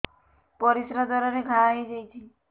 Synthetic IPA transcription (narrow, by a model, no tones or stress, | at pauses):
pɔɾisɾad̪ʱɔɾɔɾeɡʱaaɦid͡ʒajt͡ʃʰi